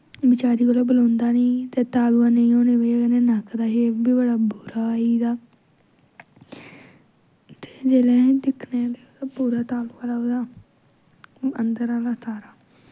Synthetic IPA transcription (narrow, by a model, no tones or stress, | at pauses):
bɪt͡ʃaːɾiːkoːlaːbəlõːnd̪aːnĩːt̪eːt̪aːluaːnəĩːõːneːbeakənẽːnəkd̪aːɦeːbiːbəɽaːbuːɾaːiːd̪aː | t̪e̥ːd͡ʒeːlẽːd̪ɪkʰneːt̪et̪apuːɾaːt̪aːluaːlaːoːd̪aː | ənd̪əɾaːlaːsaːɾaː